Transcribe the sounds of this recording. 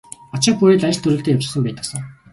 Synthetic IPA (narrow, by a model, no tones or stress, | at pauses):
ɔt͡ɕɪ̆pujeːɮajə̆ɬt̪ʰɵɾɘ̆ɬt̪eːkjawt͡ɕɪ̥̆sə̆ŋpæːt̪ə̆sə̆ŋ